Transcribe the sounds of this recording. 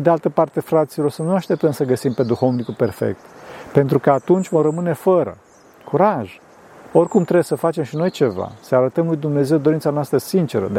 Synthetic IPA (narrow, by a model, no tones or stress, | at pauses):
ed̪ealt̪əpart̪e̞fɾat̪silo̞rsənuaʃt̪e̞p̚t̪əmsəɡəsimpe̞d̪uxo̞vnikupe̞rfḛk̚t̪pe̞nt̪ɾukəat̪unt͡ʃʲvomrəmɨne̞fəɾə̰ | kʰuɾaʒ | o̞rʲkumt̪ɾesəfat͡ʃe̞mʃino̞jt͡ʃe̞va̰səaɾət̪əmlujd̪umne̞ze̞wd̪o̞ɾint̪sanoast̪ɾəsint͡ʃe̞ɾə̰d̪